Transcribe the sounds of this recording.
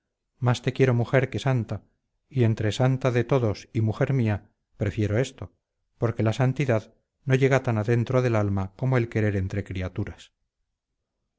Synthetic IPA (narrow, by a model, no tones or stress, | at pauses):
mast̪e̞kje̞ɾo̞muxe̞ɾke̞sant̪a | ie̞nt̪ɾe̞sant̪aðe̞t̪o̞ðo̞simuxe̞ɾmia | pɾe̞fjeɾo̞e̞st̪o̞ | po̞ɾke̞lasant̪iðað | no̞ʝe̞ɣat̪anaðe̞nt̪ɾoðe̞lalmako̞moe̞lke̞ɾe̞ɾent̪ɾe̞kɾiat̪uɾas